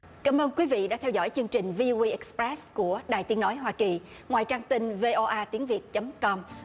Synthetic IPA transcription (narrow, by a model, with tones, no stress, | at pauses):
kaː˧˩mʔəː˧nkwi˨˦vḭ˧˨ɗa̰ː˧˥t̪ʰɛ˧wzɔ̰˧˩jt͡ɕɨ˧əŋt͡ɕï˨˩ŋ̟vi˧ʔo˧i˧ʔɛ˨˩k̚spɾɛ˦˥sku˧˩əɗaː˨˩jt̪i˨˦əno˨˦jɦwaː˧ki˨˩ | ŋwaː˨˩jt͡ɕaː˧ŋt̪ï˧ŋve˧ʔo˧ʔaː˧t̪i˨˦əŋvi˨˩ət̚t͡ɕə˨˦mŋ͡mkɔ˧m